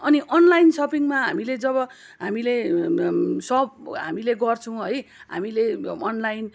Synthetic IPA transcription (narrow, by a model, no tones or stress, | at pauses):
ʌniʔʌnlajnsʌpiŋmaɦa̰miled͡zʌβʌ | ɦamile | sʌb̚ɦa̰mileɡʌrt͡sʰʌ̃w̃ʌjɦa̰mileʌnlajn